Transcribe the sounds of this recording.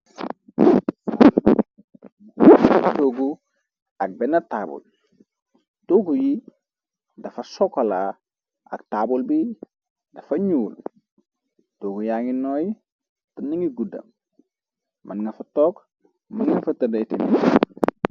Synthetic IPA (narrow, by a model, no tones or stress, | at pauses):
toɡu | ɐk̚bɛnɐtabṵl | toɡuji | dɐfɐsokola | ɐ̰ktabulbi | dɐfɐɲuːl | toɡujaŋinoːji | tɐniŋiɡudɐ̰ | mʔɐnŋɐfɐtok | mɐnŋɐfɐtɐdɐjtinu